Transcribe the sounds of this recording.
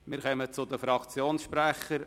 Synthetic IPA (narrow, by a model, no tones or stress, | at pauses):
mɪɾχœmət͡sʊd̪əfɾɑkt͡sjoːnsʃpɾæχəɾ